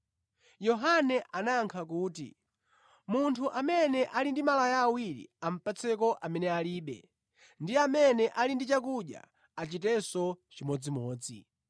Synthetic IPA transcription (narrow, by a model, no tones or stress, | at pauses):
jɔɦanɛʔanaŋkʰakuːtḭ | muntʰuʔamɛnɛʔalindimalajaːwiɾḭam̩pat͡sʰɛkɔʔamɛnɛaliːɓɛ̰ | ndiamɛnɛʔalindit͡ʃakuɗja̰ | at͡ʃit̬ɛsɔt͡ʃimɔd͡zimɔːd͡zi